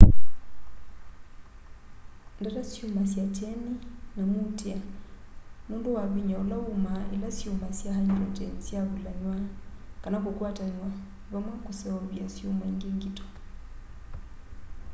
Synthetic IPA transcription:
ndatasjumasjat͡ʃɛninamutea | nundowaβiɲaolaumaʔelasjomasjahaɲat͡ʃɛnsjaβulaɲwakanakokwataɲwa | βamwakosɛaβjasjomaiŋɡeːŋɡitɔ̥

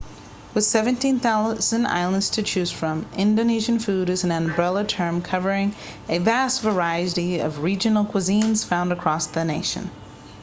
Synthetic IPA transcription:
wɨð̥sɛvɨ̃ntĩnθaʊz̥ɨ̃na̰ɪlˠə̃ndz̥tʰɨt͡ʃʰʉz̥fɹʌ̃mɪ̃ndoʊniʒɨ̃n̩fʉɾɨz̃n̩æ̃nbɹɛlˠətʰɜ̃˞mkʰʌvə˞ɪ̃ŋ | ɨvæstv̥ə˞aɪɨɾiʌ̰vɹid͡ʒɨnl̩ˠkʰw̥ɨzĩnz̥fãʊ̃ndɨkʰɹ̥ɔsðɨneɪʃɨ̰̃n

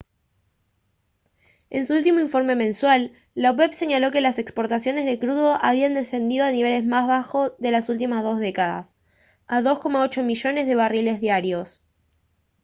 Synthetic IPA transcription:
e̞̰nsuult̪imo̞iɱfo̞ɾme̞mẽ̞nswalː | awepse̞ɲalo̞ke̞lasekspo̞ɾt̪asjo̞ne̞zðe̞kɾuðo̞ʔaβ̞iand̪ese̞nd̪ið̞o̞aniβe̞le̞zmazβaxo̞sðe̞lasult̪̬imazðo̞zðe̞kaða̰s | aðo̞sko̞mao̞t͡ʃo̞miʃo̞ne̞zðe̞βarile̞zðjaɾjo̞s

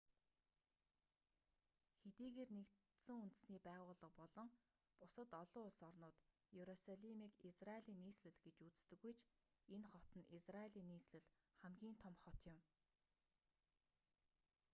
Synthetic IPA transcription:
xet̪iːɣeːrnekt̪ | sɘ̆ŋunt̪ɘ̆sniːpæːʁʊːɮə̆q̚pɔɮɞ̆ŋ | pʊsə̆t̪ɔɮʊːɮsɔrnʊːt̪ | jeɾɔsaɮimiːkisraeɮiːnːiːsɮɘ̆ɮɡet͡ɕut͡s̆t̪ɘ̆ɣujt͡ɕʰ | enχɔt̪ə̆nisraeɮiːnːiːsɮɘ̆ɮ | χæmɡʲiːnt̪ʰɔmχɔt̪jʊ̆m

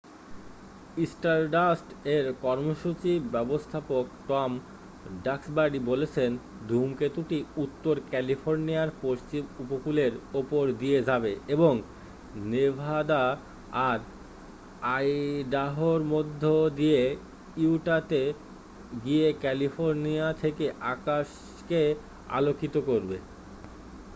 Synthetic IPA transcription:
isʈaɾɖasʈeɾkɔɾmoʃut͡ɕibɛbost̪ʰapok̚ʈɔm | ɖaksbaɖibolet͡ɕʰen | d̪ʱumket̪uʈiut̪ːoɾkɛlifoɾniaɾpoʃt͡ɕimupokuleɾopoɾd̪ijed͡ʑabeeboŋ | nebʱad̪a | aɾ | ajɖaɦoɾmod̪ʱːod̪ie | iwʈat̪e | ɡiekɛlifʰoɾniat̪ʰekeʔakaʃ | ke | a̰lokit̪okoɾbe

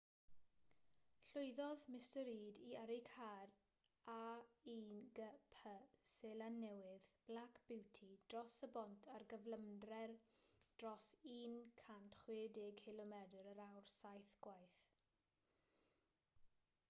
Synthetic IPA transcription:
ɬʊjðɔðmɪstəɾiːdiəɾɪkʰaːr | aiːnɡəpʰəsɛlanːɛwɪðb̥lakʰb̥ɪwtʰid̥rɔsəbɔntʰarɡəvləmdrɛrd̥rɔsiːnkʰantχwɪːdeɡhɪlˠɔmɛdəɾəɾawrsajθɡ̥wajθ

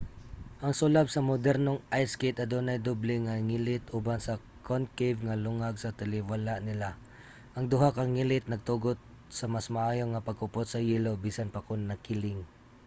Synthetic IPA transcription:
ʔɐŋsʊlab̚sɐmʊd̪ɛɾnoŋʔajsket̪ɐd̪unajd̪oblɛŋaŋilɪt̪ʔubansɐ | kʰonkevŋɐlʊŋaɡsɐt̪ɪlɪwalaʔnɪla | ʔɐŋd̪ʊɦakɐŋːilɪt̪̚nɐɡ̚t̪uɡot̪̚ | sɐmasmaʔaːjoŋɐpɐɡkʊpot̪̚sɐjiːlobiːsanpɐkʊnːɐkɪlɪŋ

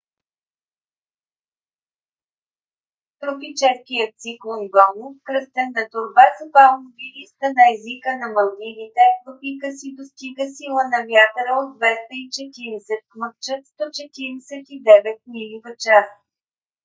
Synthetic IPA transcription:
t̪ɾʊpit͡ʃɛskijət̪t̪siklˠonɡɔmukɾəst̪ɛnːɐt̪ʊɾbasəpalˠnviɾist̪ənɐɛzikənɐmɐlˠd̪ivit̪ɛvəpikəsid̪ost̪iɡəsilˠənɐvjat̪ɾəod̪d̪vɛst̪əit͡ʃɛt̪iɾɛsɛt̪̚kməkt͡ʃət̪st̪ɔt͡ʃɛt̪iɾɛsɛt̪id̪ɛvɛt̪̚nilivət͡ʃas

